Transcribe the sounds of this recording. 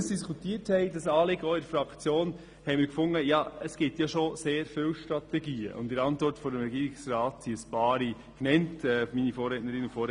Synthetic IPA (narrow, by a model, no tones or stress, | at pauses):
sd̥iskʰutiəthɛɪdɑsɑːlɪɡɔːɪdəfɾɑkt͡sjoːn | hɛɪmɪːɾkfʊŋːəjɑəsɡ̥ɪtjɑʃoseːɾfɪwʃtɾɑtɛɡiːə̰ʔʊ̰ntɪɾɑntʋɔɾtfɔɾəmɾɛɡiːɾɪksrɑːtsiəspɑːɾi | knɛntɛminifɔːɾɛtnəɾɪnufɔːɾ